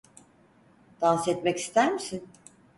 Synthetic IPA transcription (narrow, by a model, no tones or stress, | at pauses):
d̪̥ansɛt̪mɛci̥st̪ʰæɾmisin